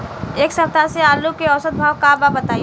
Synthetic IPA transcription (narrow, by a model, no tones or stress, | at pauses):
eːksəp̚t̪aseaːlukeɔsət̪̚bʱaːwkababət̪aːi